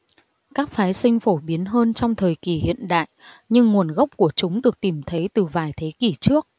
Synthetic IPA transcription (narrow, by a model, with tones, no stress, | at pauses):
kaː˦˥k̚faː˨˦jsï˧ŋ̟fo˧˩ɓi˨˦ənɦəː˧nt͡ɕɔ˧wŋ͡mt̪ʰəː˨˩jki˨˩hḭ˧˨ənɗa̰ː˧˨jʔɲɨ˧ŋːu˨˩ənɣə˦˥wk͡p̚ku˧˩ət͡ɕʊ˨˦ŋ͡mɗɨ˨˩ək̚t̪i˧˩mt̪ʰə˨˦jt̪ɨ˨˩vaː˨˩jt̪ʰe˨˦ki˧˩t͡ɕɨ˦˥ək̚